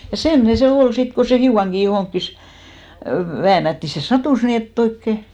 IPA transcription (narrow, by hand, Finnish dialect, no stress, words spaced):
jɑ semːŏne se ol sit ko se hiukɑŋɡ̊i johoŋkːis ʋæːnætːi se sɑtuˑs niːn etː oikːe